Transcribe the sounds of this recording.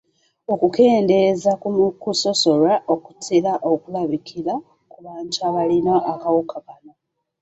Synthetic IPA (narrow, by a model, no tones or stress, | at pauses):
o̞kuke̞ːnde̞zakumukuso̞so̞laʔoku̥tʰilaʔokulaβikʰila | kuβaːɲt͡ʃaβalino̞ʔakawukakano